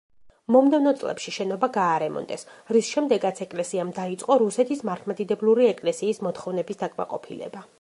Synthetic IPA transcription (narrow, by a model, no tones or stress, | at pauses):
mɔmd̪ɛvnɔt̪sʼlɛ̰pʃiʃɛnɔbaɡaːɾɛmɔ̰nd̪ɛsɾisʃɛmd̪ɛɡat̪sʰɛkʼlɛsiamd̪ait̪sʼqʼɔɾusɛt̪ʰismaɾt̪ʰmad̪id̪ɛblˠuɾiɛkʼlɛsiːsmɔt̪χɔvnɛbisd̪akʼma̰qʼɔ̰pʰilɛ̰ba